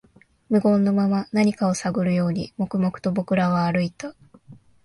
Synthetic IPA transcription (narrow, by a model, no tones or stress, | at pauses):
mɯ̟ɡõ̞nːo̞mamanaɲ̟ikao̞saɡɯ̟ɾɯjo̞ːɲ̟ḭmo̞kɯ̟mo̞kɯ̥t̪o̞bo̞kɯ̟ɾaβaːɾɯ̟it̪a